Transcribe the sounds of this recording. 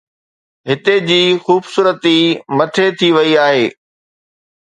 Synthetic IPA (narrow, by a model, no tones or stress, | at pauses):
ɦɪt̪ed͡ʑiːxuːbsuːɾət̪imɐt̪ʰet̪ʰiʋɐiaːɦeː